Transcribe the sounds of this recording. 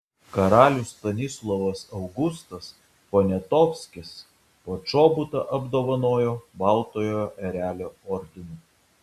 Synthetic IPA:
kɐɾɑːlʲʊst̪ɐnʲɪslˠɔʋɐsɐʊɡʊst̪ɐs | ponʲɛt̪ɔːfʲsʲkʲɪs | poːt͡ʃoːbʊt̪ɐʔɐbd̪oːʋɐnoːjoːbɑˑlˠt̪oːjoːjoʔɛɾʲæːlʲoːɔɾʲd̪ʲɪnu

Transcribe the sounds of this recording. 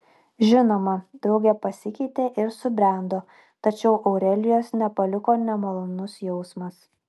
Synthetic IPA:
ʒʲɪnoːmɐd̪ɾɒʊɡʲɛpɐsʲɪkʲɛɪt̪ʲeːʔɪɾsʊbʲɾʲæˑnd̪oː | t̪ɐt͡ʃʲɛʊʔɐʊɾʲɛlʲɪjoːsnʲɛpɐlʲɪkoːnʲɛmolˠonʊsjɛʊsmɐs

